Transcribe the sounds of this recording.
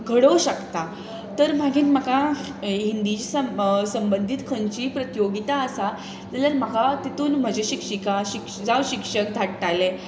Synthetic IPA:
ɡʱəɽoɕəkt̪a | t̪əɾm̤aɡiːnm̤əka | ɦind̪it͡ɕisəsəmbənd̪ʱit̪kʰənt͡ɕiːpɾət̪joɡit̪aəsa | d͡zaləɾm̤akat̪it̪uːnm̤əd͡ʑeɕikʂikaɕik | d͡zaʋɕikʂək̚d̪ʱaʈʈale

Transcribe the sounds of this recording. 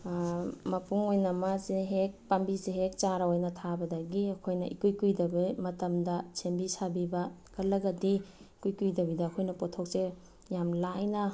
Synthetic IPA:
mɐpuŋojnɐmazeɦek̚pambizeɦek̚t͡ʃaɾaojnɐtʰabɐdɐɡiɐkʰojnɐʔikujkujdɐbimɐtɐmdɐsembisabibɐkɐlɐɡɐdikujkujdɐbidɐɐkʰojnɐpotʰok̚se | jamlajnɐ

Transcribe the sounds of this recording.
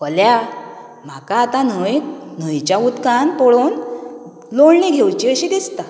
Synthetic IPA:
kəlja | m̤akaːt̪anəjn̤əjt͡ɕjaut̪kanp̪ɔɭon | loɭɳẽɡʱewt͡ɕiəɕid̪ist̪a

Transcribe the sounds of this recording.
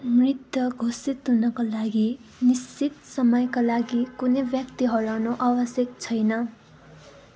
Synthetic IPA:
mrit̪jʌɡʱosit̪ɦunʌkalaɡinist͡sit̪̚sʌmʌjkalaɡikunʌjbjʌkt̪iɦʌɾanoʔabʌsjʌk̚t͡sʰʌjnʌ

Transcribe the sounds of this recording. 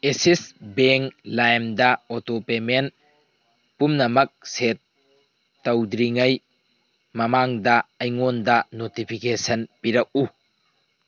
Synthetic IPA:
esisbeŋlajmdɐotopemen | pumnɐmɐk̚setː | ɐwdɾiŋɐj | mɐmaŋdɐɐjŋondɐnotipʰikesɐnpiɾɐk̚u

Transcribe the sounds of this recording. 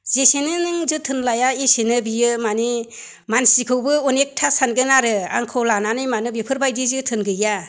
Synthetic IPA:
zesenɯnɯŋzɯtʰɯnlajaisenɯbijɯmani | mansikʰɯwbɯunek̚tʰasanɡɯnaɾɯa̰ŋkʰɯwlananɯjmanɯbipʰɯɾbajdizɯtʰɯnɡɯja

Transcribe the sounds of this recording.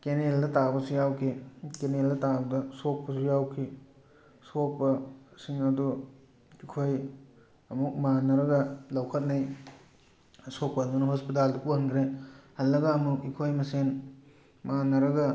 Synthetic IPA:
keneldɐtabɐsujawkʰikeneldɐtabɐdɐsok̚pɐsujawkʰi | sok̚pɐsiŋɐdu | ikʰoj | ɐmuk̚manɐɾɐɡɐlɐwkʰɐt̚naj | sok̚pɐdunɐɦospit̬aldɐpuhɐnkʰɾehɐlːɐɡɐːmukikʰojmɐsen | manɐɾɐɡɐ

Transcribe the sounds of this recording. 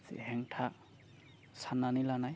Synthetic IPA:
zɛ̰ɦɛŋtʰa | sananilanaj

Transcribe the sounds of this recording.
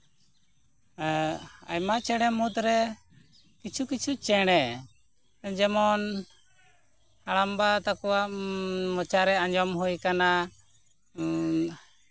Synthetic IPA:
a̰jmat͡ʃɛɽ̃ɛmuɦut̪ɾɛ | kit͡ʃʰukit͡ʃʰut͡ʃɛɽ̃ɛ | d͡ʒɛmɔn | aɽambat̪akɔwaʔmɔt͡ʃaɾɛaɲd͡ʒɔmɦujkana

